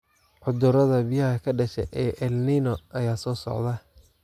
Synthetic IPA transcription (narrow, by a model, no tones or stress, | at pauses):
ʕʊd̪ʊɾɐðɐbɪjɐhɐkʰɐɖɐʃɛ̰ʔɛːʔɛlninɔʔɐjaːsɔːsɔ̰ʕd̪ɐ